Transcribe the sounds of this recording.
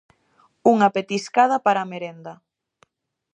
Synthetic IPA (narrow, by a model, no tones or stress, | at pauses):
uŋapet̪iskaðapaɾameɾend̪ɐ